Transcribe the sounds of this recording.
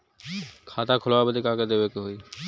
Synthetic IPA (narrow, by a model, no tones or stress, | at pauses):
kʰaːt̪akʰʊlʋabəd̪ikaked̪eːʋekɦoiː